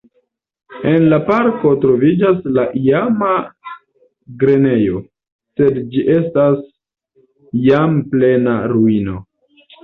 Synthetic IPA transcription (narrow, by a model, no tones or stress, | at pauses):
e̞nlapaɾko̞tɾo̞vid͡ʒaslaʔiama | ɡɾe̞ne̞jo̞ | se̞dd͡ʒiʔe̞stas | jample̞naɾuino̞